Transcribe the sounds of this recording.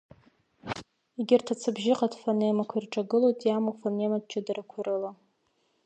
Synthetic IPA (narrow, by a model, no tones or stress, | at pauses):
iɡʲɪrtʰat͡sʰɨbʒɪqʼadfanejmakʷʰairʈ͡ʂʼaɡɨlojtʼjamufanematt͡ʃʰadarakʷʰaɾɨla